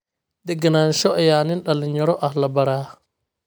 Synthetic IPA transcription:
d̪ɛɡɐnaːnʃɔʔɐjaːnɪnɗɐlɪnɐɾɔʔɐhlɐbɐɾaː

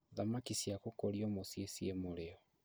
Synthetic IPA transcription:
ðamakisjakokoɾiɔmosjesiemoɾeɔ

